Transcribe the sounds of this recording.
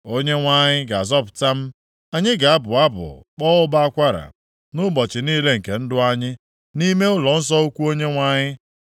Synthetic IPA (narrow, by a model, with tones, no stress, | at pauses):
o˦ɲe˦ŋʷa˦ɲɪ˦ɡa˨zɔ˦pʊ̥˨ta˦m̩˦ | a˦ɲɪ˦ɡa˨a˦bʊ˨a˦bʊ̰˨k͡pɔː˦ʊ˦ba˦a˦kʷa˦ɾa̰˨ | nʊ˦bɔ˨t͡ʃɪ˨niː˦le˦ŋ̩˨ke˨n̩˦dʊ˦a˦ɲɪ˦ | ni˦me˦ʊ˦lɔ˨n̩˦s̬ɔ˦u˦kʷu˦o˦ɲe˦ŋʷa˦ɲɪ˦